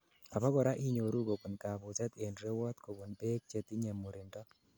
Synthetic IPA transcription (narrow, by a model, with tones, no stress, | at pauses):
a˨pɔ˦kɔ˨ɾa˦ʔi˦ɲo˨ɾu˦ko˨bu˨nka˨bʊ˨sɛ˦t̪e˨ndɾe˦wɔ˦t̪ko˨bu˨npe˦k̚t͡ʃe˨t̪i˦ɲe˨mu˨ɾɪ˨ndɔ˦